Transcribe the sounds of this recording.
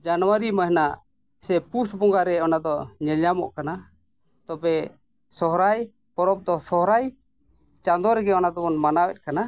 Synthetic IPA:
d͡ʒanwaɾimaɦɛnaʔ | sɛpusbɔŋɡaɾɛɔnad̪ɔɲɛɲamɔ̰ʔkana | t̪ɔbɛ | sɔɦɾaj | pɔɾɔm̚d̪ɔsɔɦɾaj | t͡ʃand̪ɔɾɛɡɛɔnad̪ɔbɔnmanawɛ̰t̪̚kana

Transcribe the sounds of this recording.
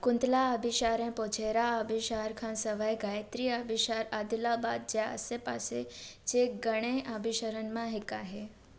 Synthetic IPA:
kunt̪laəbʱiɕaɾɛ̃pɔt͡ʃʰeɾaəbʱiɕaɾkʰãnsəʋajɡajət̪ɾiəbʱiɕaɾad̪ulabad̪̚d͡ʒjaə̰sepa̰set͡ʃeɡəɽ̃eʔəbʱiɕəɾənmãɦekaɦe

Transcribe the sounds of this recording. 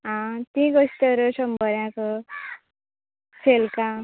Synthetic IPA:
ɦʌ̃t̪ĩɡʌst̪eɾusʌmbʱʌɾjãko | sʰelka

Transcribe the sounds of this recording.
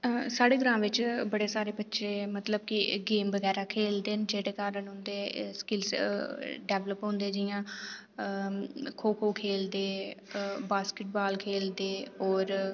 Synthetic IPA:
saːɽeːɡəɾãːʋɪt͡ʃbəɽeːsaːɾeːbətːʃʰeːmət̪ləb̚kɪɡeːmbəɡɛːɾaːkʰeːld̪eːnd͡ʒeːɽeːkaːɾənɦʊ̃nd̪eskɪls | ɖɛːʋləpɦõːnd̪eːd͡ʒɪjãː | kʰoːkʰoːkʰeːld̪eː | baːskɪʈ̚baːlkʰeːld̪eːɔːɾ

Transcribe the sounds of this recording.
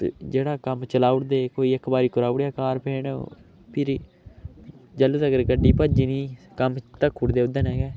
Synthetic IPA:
d͡ʒeːɽaːkəmt͡ʃəlaːʊɽd̪eːkoːiːəkʰbaːɾiːkʊɾaːʊɽjaːkaːɾpʰeːɳo̰ː | pʰɪɾ | d͡ʒələt̪əɡəɾɡəɖːiːpəd͡ʒiːniːkəmt̪əkʰːʊʈd̪eːʊd̪ənɛ̃ːɡɛː

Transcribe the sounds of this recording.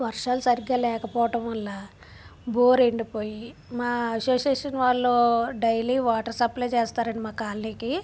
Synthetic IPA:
ʋɐɾʂaːlusɐɾiɡaːlɛːkɐpɔːʋɐʈɐmʋɐlːaː | boːɾeɳɖipoːjimaːɐsoːseːʂɐnʋaːɭːoːɖɐjliːʋaːʈɐɾsɐplɐjt͡ʃeːst̪aːɾɐɳimaːkaːlniːki

